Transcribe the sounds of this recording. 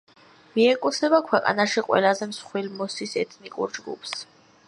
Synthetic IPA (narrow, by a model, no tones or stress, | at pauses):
miɛkʼut̪sʰɛbakʰwɛqʼa̰naʃiqʼwɛ̰lazɛmsχwilmɔsisɛt̪ʰnikʼṵɾd͡ʒɡṵpʰs